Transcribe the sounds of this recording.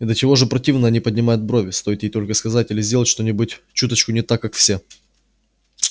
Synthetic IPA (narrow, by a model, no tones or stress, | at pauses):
d̪lʲət͡ɕɪvo̞ʐɨpɾɐtʲivnəɐnʲipədʲnʲɪmajʊt̪̚bɾovʲɪst̪o̞jɪt̪jejt̪o̞lʲkəskɐzatʲɪlʲɪzʲdʲelˠətʲʂt̪o̞nʲɪbʊtʲ | t͡ɕut̪ət͡ɕkʊnʲɪt̪akːakfsʲe